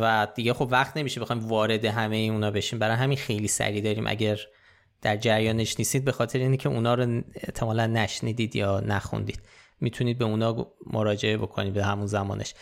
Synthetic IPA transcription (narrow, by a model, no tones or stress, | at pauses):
væd̪̥iɟexo̞bvæχt̪ne̞miʃebe̞xɒjmvɒːɾe̞d̪e̞ɦæmejeunɒːbe̞ʃiːmbæɾɒːjeæminxe̞jliːsæ̰ɾiːd̪ɒːɾiːmʔæ̰ɟæɾ | d̪̥æɾd͡ʒæɾjɒːne̞ʃniːst̪iːd̪̚be̞xɒːt̪ʰe̞ɾeiːnecʰe̞ʔunɒːɾoe̞ʔt̪ʰe̞mɒːlænːæʃniːd̪iːd̪jɒːnæxṵnd̪ḭːd̪̥ | mit̪ʰuniːd̪̚be̞unɒːmoɾɒːd͡ʒe̞e̞bo̞kʰo̞̰niːmbehæmunzæmɒ̰ːnʔeʃ